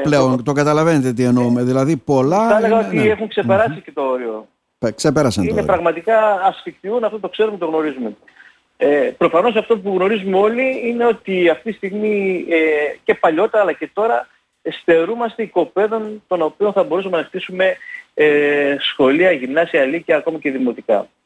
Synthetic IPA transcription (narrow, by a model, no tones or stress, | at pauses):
pleont̪o̞ɡɐt̪ɐlɐve̞net̪et̪ienoumeðilɐðipo̞lɐeleɣɐot̪ie̞xuŋkse̞pe̞ɾɐsice̞t̪o̞oɾio | ksepe̞ɾɐsɐnionḛpɾɐɣmɐt̪ikɐːsfikt̪iunɐft̪ot̪o̞kse̞ɾumut̪oɣno̞ɾizume̞ | epɾo̞fɐno̞s̬ɐft̪opuɣno̞ɾizumeo̞liine̞o̞t̪iɐft̪it̪ist̪iɣmi | ce̞pɐʎo̞t̪e̞ɾɐlɐce̞t̪o̞ɾɐ | est̪e̞ɾumɐst̪eiko̞pe̞ðo̞nt̪o̞no̞pio̞nθɐbo̞ɾusɐme̞nɐxt̪isume̞ | sxo̞liɐʝimnɐsiɐlicɐːko̞mɐce̞ðimo̞t̪ikɐ̰